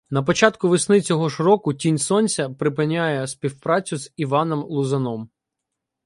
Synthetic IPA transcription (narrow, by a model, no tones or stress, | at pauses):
nɐpɔt͡ʃɑt̪kʊʋɪsnɪt͡sʲɔɦɔʃɾɔkʊtʲinʲsɔnʲsʲɐpɾɪpɪnʲːajɛspʲiwpɾɑt͡sʲʊz̥iʋɑnɔmlˠʊzɐnɔm